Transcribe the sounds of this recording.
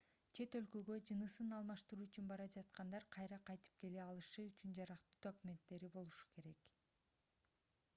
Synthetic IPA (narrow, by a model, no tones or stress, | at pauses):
t͡ʃʰe̞t̪ø̞lkø̞ɡø̞d͡ʒɯnɯsɯnɑlˠmɑʃt̪ɯɾuːyt͡ʃynbɑɾɑd͡ʒɑt̪qɑnd̪ɑɾqʰɑjɾɑqʰɑjt̪ɯ̥p̚ke̞leɑlˠɯʃɯyt͡ʃynd͡ʒɑɾɑqt̪uːd̪o̞kumʲe̞nt̪ːe̞ɾibo̞lˠuʃu̥ke̞ɾe̞k